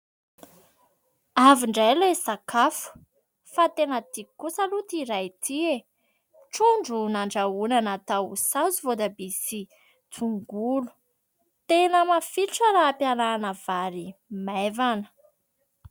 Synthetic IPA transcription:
aviɳɖ͡ʐajlesakʰafu̥ | fat̪enət̪ikusalut̪iɾajt̪ʰie | ʈ͡ʂoɳɖ͡ʐunaɳɖ͡ʐaunanat̪ausazuvod̪abisi | t̪ʰuŋɡulu̥ | t̪enəmafiʈ͡ʂəɾaːpjananəv̥aɾimevanə̥

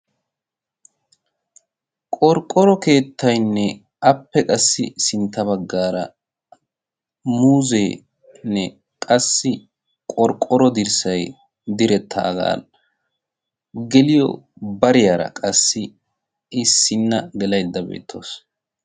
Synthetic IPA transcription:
kʼɔɾkʼːɔɾɔke̞ːt̪ʰːɐjnːɛ | ɐpːɛkʼɐsːɪ̰sɪnt̪ːɐbɐɡːaːɾɐ̰ | muːzeː | nːɛ | kʼɐsːɪ | kʼɔɾkʼːɔɾɔd̪ɪɾsɐj | d̪ɪɾɛt̪ʰːɐːɡa̰ːl | ɡɛlɪjɔ̰bɐɾɪjaːɾɐ̰kʼɐsːɪ | ɪsːɪnːɐɡɛlɐjd̪ːɐbḛːt̪ʰːo̞̰ːs

